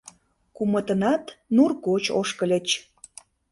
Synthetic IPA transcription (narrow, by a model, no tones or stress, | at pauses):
kumət̪ənɑt̪nurkot͡ɕo̰ʃkəlʲət͡ɕ